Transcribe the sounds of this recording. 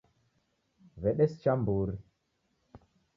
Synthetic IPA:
vɛɗest͡ʃambuɾi

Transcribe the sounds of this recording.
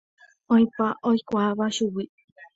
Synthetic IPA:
oj̃paʔojkʷaβaʃuwi

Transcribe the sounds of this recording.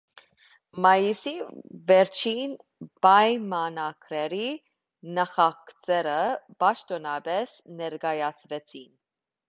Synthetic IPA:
mɑjisivɛɾt͡ʃʰin | b̥ɑjmɑnɑɡɾɛɾi | nɑχɑkt͡sɛɾəpɑʃt̪ɔnɑbɛsnɛɾɡɑjɑt͡sʰvɛt͡sʰin

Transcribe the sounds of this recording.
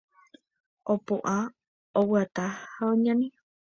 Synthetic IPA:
ʔopoʔa | owɨat̪ahaõɲãnĩ

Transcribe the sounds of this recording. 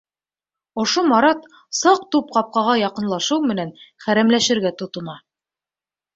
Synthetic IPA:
ŏʃomɑɾɑt̪ | sɑq̚t̪up̚qɑp̚qɑʁɑjɑqɤ̆nlˠɑʃɤwmɘ̆nænχæɾæmlæʃɘ̆ɾɡæt̪ŏt̪ŏnɑ

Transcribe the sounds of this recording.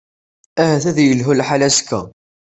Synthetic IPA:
æhæθæðjəlɦulħalæskːæ̰

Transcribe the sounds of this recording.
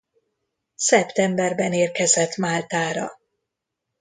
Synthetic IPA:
sɛpt̪ɛmbɛrbɛneːrkɛzɛt̪maːlt̪aːɾɒ̰

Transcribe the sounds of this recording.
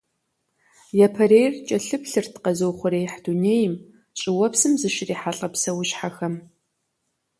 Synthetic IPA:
jɛpʰɐrejrt͡ʃʼɐɬɨpɬɨrtʰqɐzowχʷʊɾeːħd̥uneːjɪm | ɕʼɪwɔpsɨmzɨʃɪriːħaɬʼɐpsɐwʊʃħaxɐm

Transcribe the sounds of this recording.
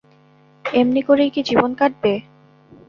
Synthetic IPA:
emnikoɾejkid͡ʑibonkaʈ̚be

